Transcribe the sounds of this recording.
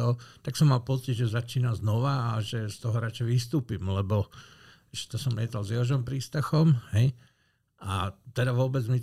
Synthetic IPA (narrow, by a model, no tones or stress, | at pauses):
ɔt̪aksɔmːalpɔt͡siɟʒɛzat͡ʃiːnaznɔʋaːʒɛst̪ɔɦɔɾat͡ʃɛjʋist̪uːpimlɛbɔ | ʒɛt̪ɔsɔmlɪɛt̪alzjɛɦɔʒɔmpɾiːst̪axɔmɦɛj | ʔat̪ɛd̪aʋʊɔbɛd͡zmi